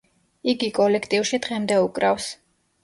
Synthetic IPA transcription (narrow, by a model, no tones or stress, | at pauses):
iɡikʼɔlɛkʰt̪ʼiwʃid̪ʁɛmd̪ɛukʼɾafs